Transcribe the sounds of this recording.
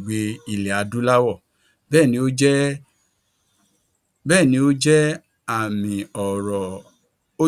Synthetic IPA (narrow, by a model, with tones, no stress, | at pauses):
ɡ͡be˧i˦˨lɛ˨a˨˧du˦la˦wɔ˦˨ | bɛː˦˨nĩ˧˦o˦d͡ʒɛ˦ | bɛː˦˨nĩ˧˦o˦d͡ʒɛ˦ | a˦˨mĩ˨ɔ˨ɾɔ˨ | o˦